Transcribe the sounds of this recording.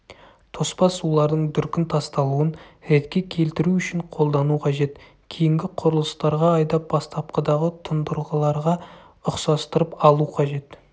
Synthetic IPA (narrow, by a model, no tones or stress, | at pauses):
t̪ʰo̞spɑsulˠɑɾd̪əɴd̪ʏɾkʲɪnt̪ʰɑst̪ɑlˠuənɾet̪kʲe̞kʲʰe̞lt̪ɪɾuʏʃɪɴqʰo̞lˠd̪ɑnuqʰɑʒe̞t̪ | kʲʰejɪŋɡʲɪqʰʊɾəlˠəst̪ɑɾʁɑɑjd̪ɑp̚b̥ɑst̪ɑp̚qəd̪ɑʁət̪ʰʊnd̪əɾˠʁəlˠɑɾʁɑ | ʊqsɑst̪əɾəpɑlˠuqʰɑʒe̞t̪